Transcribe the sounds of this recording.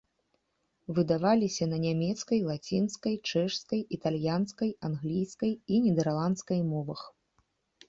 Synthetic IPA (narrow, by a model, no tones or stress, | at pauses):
vɨd̪avalʲisʲɐnɐnʲamʲɛt̪skɐjlˠat͡sʲint̪skɐjt͡ʂɛʂskɐjit̪alʲjanskɐjanɣlʲijskɐjinʲɛd̪ɛrlˠant̪skɐjmɔvɐx